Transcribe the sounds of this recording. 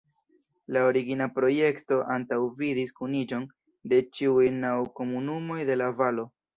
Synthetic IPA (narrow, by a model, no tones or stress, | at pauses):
lao̞ɾiɡinapɾo̞je̞kto̞ʔantawvidiskunid͡ʒo̞n | de̞t͡ʃiujnawko̞munumo̞jde̞lavalo̞